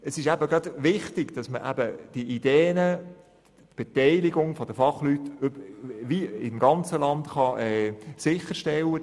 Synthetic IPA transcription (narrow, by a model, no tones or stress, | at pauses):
əsɪʃæbəɡɾɑdʋɪχtɪɡ̥d̥ɑsməʔæ̰bəd̥iʔid̥eːnə | b̥etɛɪlɪɡʊŋfɔd̥əfɑχlytøbʋiɪmɡɑnt͡səlɑntχɑʔɛːsɪχəɾʃtɛlːə